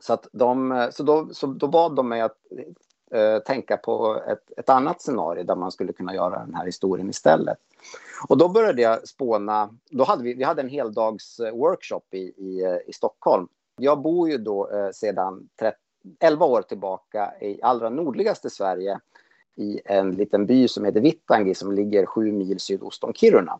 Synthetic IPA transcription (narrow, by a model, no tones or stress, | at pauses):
sɔat̪d̪ɔmsɔd̪ɔsɔd̪ɔbɑːd̪ːɔmːɛjat̪ | t̪ʰɛŋkapʰɔ̰ɛ̰t̪ɛt̪anːat̪sɛnɑ̰ːɾɪ̰ʊd̪æɾmanskɵlːəkʰɵnːajœ̰ːɾa̰d̪ɛ̰nhæːɾhɪst̪uːɾɪ̰ənɪst̪ɛ̰lːə̰t̪ | ɔd̪ɔbœɾjad̪əjɑspoːna | d̪ɔɦad̪ːəvɪvɪhad̪ːəɛnɦeːld̪ɑːɡswœɾkʂɔpːɪɪɪst̪ɔkʰhɔlm | jɑːɡ̚buːɾjɵd̪ɔseːd̪ant̪ʰɾɛt | ɛlvaoːɾt̪ʰɪlbɑːka̰ɪʔalːɾanuːɖɭɪɡast̪əsvæɾjə | ɪɛnliːt̪ənbyːsɔmheːt̪əɾvɪt̪ːaŋɡɪsɔmlɪɡːəɾɧʉ̟ːmiːlsyːd̪ʊ̰st̪ɔŋkʰɪɾʊɳa̰